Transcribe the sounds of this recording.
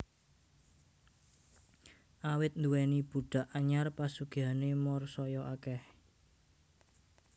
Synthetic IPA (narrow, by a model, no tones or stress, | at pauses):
ʔawɪt̪̚nd̪uwɛnib̥ṳɖ̥a̤ʔaɲarpasuɡ̥ianemɔrsɔjɔʔakɛh